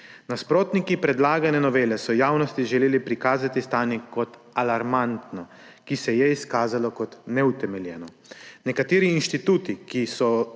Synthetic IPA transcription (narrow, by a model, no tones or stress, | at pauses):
naspɾoːt̪nikipɾɛd̪laːɡanɛnɔʋeːlɛsɔjaːwnɔst̪iʒɛleːlipɾikaːzat̪ist̪aːnjɛkɔt̪ | alaɾmant̪nɔ | kisɛjɛiskaːzalɔkɔt̪nɛut̪ɛmɛljɛːnɔ | nɛkat̪eːɾiːnʃt̪it̪uːt̪ikisɔ